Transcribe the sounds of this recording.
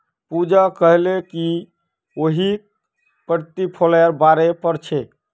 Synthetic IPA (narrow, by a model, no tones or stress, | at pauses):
pud͡ʒakəɦleki | oɦi | pəɾt̪ipʰolɛɾbaɾepəɾt͡ʃʰɛ